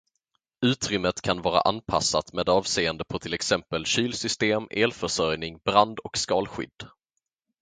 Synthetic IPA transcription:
ʉ̟ːt̪ɾʏmːət̪kʰanvɑːɾa̰ʔanpʰa̰sːat̪meːd̪ɑːvseːənd̪əpʰɔt̪ʰɪlɛksɛmpəlɕyːlsʏst̪eːmʔeːlfœʂœɾjnɪŋbɾand̪ɔkskɑːlɧʏ̰d̪ː

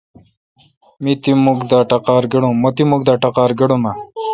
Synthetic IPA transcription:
mit̪imuɡd̪aːʈɐqaːɾɡeɽũmot̪imuk̚d̪aːʈɐqaːɾɡeɽũma

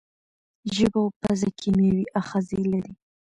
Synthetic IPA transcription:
ʒəbopazakʰimewiʔaxazilaɾi

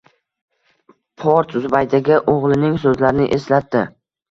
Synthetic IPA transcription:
pʰoɾt̪zʊbajd̪aɡʲaʔoʁlˠɪnɪŋsɵzlaɾɪnɪʔe̞slat̪ːɪ

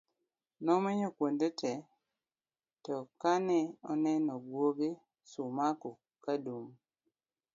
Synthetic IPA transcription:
nɔmeɲokwond̪etɛ | tɔkanɛɔnɛnɔɡwoɡe | sumako | kaduŋ

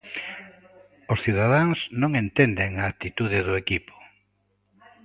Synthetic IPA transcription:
osθiðaðaŋsnõŋẽnt̪end̪eŋaːk̚t̪it̪uðɪðʊekipo̥

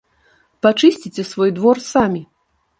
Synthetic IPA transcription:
pat͡ʂɨsʲt͡sʲit͡sʲɛsvɔjd̪vɔrsamʲi

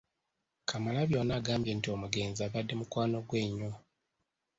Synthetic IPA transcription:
kʰamalaβjo̞ːnaːɡaːmbje̞ntio̞muɡe̞ːnzaβadːe̞mukwaːno̞ɡwe̞ːɲo̞

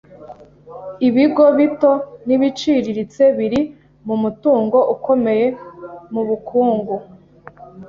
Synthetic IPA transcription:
iβiɡo̞βito̞niβit͡ʃiɾiɾit͡se̞βiɾi | mumutuːŋɡo̞ʔuko̞me̞jemuβukʰuːŋɡu

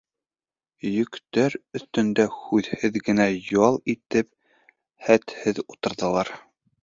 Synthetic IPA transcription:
jɵ̆kt̪æɾɵ̆θt̪ɵ̆nd̪æhʉðhɘðɡɘ̆næjɑlˠit̪ɘp̚ | hæt̪hɘðut̪ɤ̆ɾðɤ̆lˠɑɾ

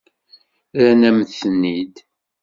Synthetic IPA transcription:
ænæmθənːid̪

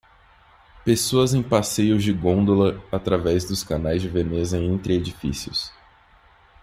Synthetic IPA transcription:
pesoɐzẽj̃pasejʊzd͡ʒɪɡõnd̪olɐat̪ɾavɛzd̪ʊskanajzd͡ʒɪvenezɐẽnt̪ɾɪed͡ʒifḭsiʊ̰s

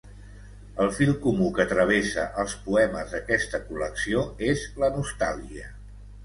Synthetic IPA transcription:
əlˠfilˠkumukəːt̪ɾəβ̞esəʔəlˠspuɛməzðəkɛst̪əkuləksioezlənust̪alˠʒiə

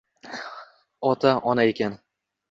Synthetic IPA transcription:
ɒt̪ʰaɒnaekʲan

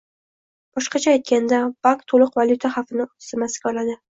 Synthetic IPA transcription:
b̥ɒʃqɑt͡ʃʰaːjt̪̚kʲand̪ab̥akt̪ʰolˠʊqvalʲˠjut̪ʰaχafɪnɪ̥sɪmasɡʲaɒlad̪ɪ

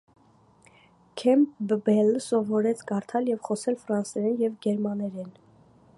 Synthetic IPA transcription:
kʰɛmpbbɛlsɔvɔɾɛt͡sʰkɑɾt̪ʰɑljɛvχɔsɛlfɾɑnsɛɾɛnjɛvɡɛɾmɑnɛɾɛn

